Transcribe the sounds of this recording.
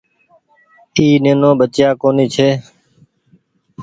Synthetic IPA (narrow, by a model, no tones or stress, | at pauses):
iːnẽːnõːbət͡ʃjaːkoːniːt͡ʃʰeː